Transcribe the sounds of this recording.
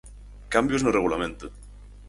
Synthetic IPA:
kambjoznoreɣulament̪e

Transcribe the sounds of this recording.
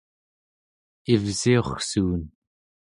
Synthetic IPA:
ivzio̞χsuːn

